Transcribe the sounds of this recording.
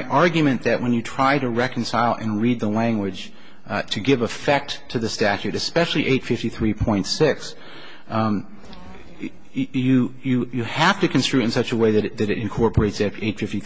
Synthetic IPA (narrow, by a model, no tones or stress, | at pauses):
ɪʔɑɹɡjɨmɨ̃nðɨʔ̚wə̃njɨtʰɹ̥aɪɾɨɹɛkn̩saɪlˠʔɨ̰̃nɹid̪̚ðəlæ̃ŋɡwɨd̥ʒ̥ | tʰɨɡɪvəfɛk̚tʰɨðɨstæt͡ʃʉɾɨspɛʃl̩ˠiʔeɪtfɪftiθɹipʰɔ̃ɪ̃ntsɪks | jɨjɨjɨhæftɨkʰɨ̃nstɹ̥ʉɾ̃n̩sʌt͡ʃəweɪðɨɾðɨɾɨɾɨ̃nkʰɔɹpə˞eɪtsɨeɪtfɪftiθ